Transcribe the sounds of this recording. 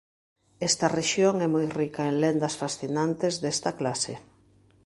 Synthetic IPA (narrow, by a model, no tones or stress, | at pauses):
ɛst̪ɐreʃjoŋɛmojrikaeŋlend̪ɐsfasθinant̪ezðest̪ɐklasḛ